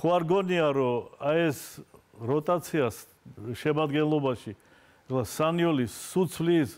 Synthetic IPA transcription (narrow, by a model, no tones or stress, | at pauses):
χuaɾɡɔniaɾɔaɛs | ɾɔt̪ʼat̪sʰias | ʃɛmad̪ɡɛnlˠɔbaʃi | ɛklasaniɔlisːut̪sʰlis